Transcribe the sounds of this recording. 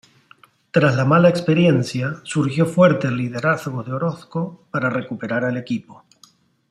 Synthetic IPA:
t̪ɾazlamalaekspe̞ɾje̞nθjasuɾxjo̞fwe̞ɾt̪elːiðe̞ɾaθɣoðeo̞ɾo̞θko̞paɾare̞kupe̞ɾaɾale̞kipo

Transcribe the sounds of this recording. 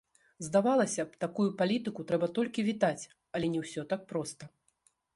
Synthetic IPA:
zd̪avalˠɐsʲɐpt̪akujupalʲit̪ɨkut̪ɾɛbɐt̪ɔlʲkʲivʲit̪at͡sʲ | ɐlʲɛnʲɛwsʲɔt̪ak̚pɾɔst̪ɐ

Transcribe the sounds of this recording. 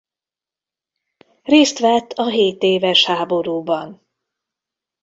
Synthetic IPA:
reːst̪ʋɛt̪ːʰɒɦeːt̪eːvɛʃhaːbo̞ɾuːbɒn

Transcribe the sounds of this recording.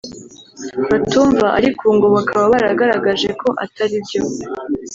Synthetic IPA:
βatuːɱvaʔaɾikʰuːŋɡo̞βakʰaβaβaɾaɡaɾaɡaʒe̞kʰo̞ʔatʰaɾibjo̞

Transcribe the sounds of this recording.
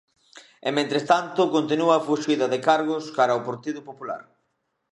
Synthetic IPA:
emẽnt̪ɾest̪ant̪ʊkont̪enuafuʃiðɐðɪkaɾɣʊskaɾɐopoɾt̪iðʊpopula̰ɾ

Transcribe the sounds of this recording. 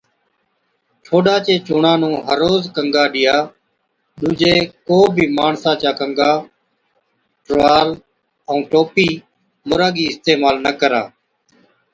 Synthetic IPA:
ʈʰoːɗaːt͡ʃeːt͡ʃʊːɳãːnũːɦəɾːoːzkəŋɡaːɗɪjaː | ɗũːd͡ʒeːkoːbʱiːmaːɳsãːt͡ʃaːkəŋɡaː | ʈʋaːl | əũːʈoːpiː | mʊɾaːɡiːɪst̪eːmaːlnəkəɾa̰ː

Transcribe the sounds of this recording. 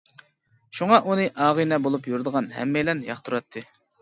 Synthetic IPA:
ʃuŋɑʔunɨʔɑːʁɨnɛbolˠupjuɾd̪əʁɑnhɛ̰mːɛjlɛnjɑχt̪ʰuɾɑt̪ʰːɨ

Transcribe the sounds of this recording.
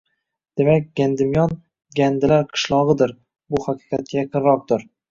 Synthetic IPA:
d̪̥e̞makʲɡʲand̪ɪmjɒn | ɡʲand̪ɪlaɾqʰɨ̥ʃlˠɒʁɨd̪ɪɾ | bʊhaqʰɨ̥qʰɑt̪̚kʲajɑqʰɨnɾɒq̚d̪ɪɾ

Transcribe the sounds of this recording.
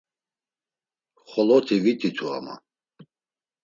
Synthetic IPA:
χɔlɔt̪ʰivit̪ʰit̪ʰua̰ma̰

